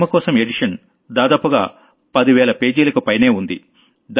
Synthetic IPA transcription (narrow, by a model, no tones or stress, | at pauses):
mɐkɔːsɐme̞ɖiʂɐn | d̪aːd̪aːpuɡa̰ː | pɐd̪iʋɛːlɐpe̞ːd͡ʒiːlɐkupɐjne̞ːund̪i | d̪